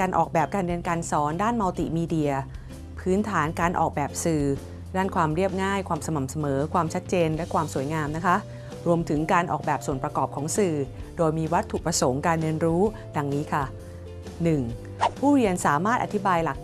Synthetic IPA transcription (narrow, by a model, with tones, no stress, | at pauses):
aː˧nʔɔ̰ː˨˩k̚bɛː˨˩p̚kaː˧nɾɯ˧ənkaː˧nsɔː˩˦ndaː˥˩nma˧wt̪ḭ˨˩ʔmiː˧di˨˧ɐ | pʰɯː˦˥nt̪ʰaː˩˦nkaː˧nʔɔ̰ː˨˩k̚bɛː˨˩p̚sɯː˨˩ | daː˥˩nkʰwaː˧mɾi˥˩əp̚ŋaː˥˩jkʰwaː˧msa˧ma˨˩m̚sa˧mɤː˩˦kʰwaː˧mt͡ɕʰa˦˥t̪̚t͡ɕeː˧nlɛ˦˥kʰwaː˧msu˩˦əjŋaː˧mna˦˥kʰa˦˥ʔ | ɾu˧əmt̪ʰɯ˩˦ŋkaː˧nʔɔ̰ː˨˩k̚bɛː˨˩p̚su˨˩npɾa˧kɔː˨˩p̚kʰɔː˩˦ŋsɯː˨˩doː˧jmiː˧wa˦˥t̪ʰːu˨˩pɾa˧so˩˦ŋkaː˧nːɯ˧ənɾuː˦˥ | da˧ŋniː˦˥kʰa˥˩ | nɯ˨˩ŋ | pʰuː˥˩ɾi˧ənsaː˩˦maː˥˩t̪ʔa˨t̪ʰi˦˥baː˧jla˨˩k̚